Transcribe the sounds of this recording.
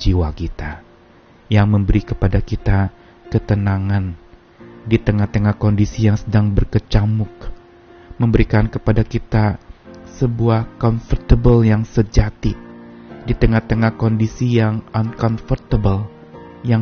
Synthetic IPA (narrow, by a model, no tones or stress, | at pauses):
d͡ʒiwakit̪a | jaŋməmbəɾikəpadakit̪a | kət̪ənaŋan | dit̪əŋaht̪əŋahkondisijaŋsədaŋbərkət͡ʃamʊk̚ | məmbəɾikankəpadakit̪asəbuahkɔnfərt̪əbəljaŋsəd͡ʒat̪idit̪əŋaht̪əŋahkondisijaŋankɔnfərt̪əbəl | ja